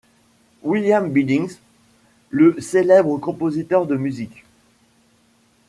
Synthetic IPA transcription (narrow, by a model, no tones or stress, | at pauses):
wiljambid̪ĩŋz | ləselɛbʁəkɔ̃pozit̪œʁd̪əmyzik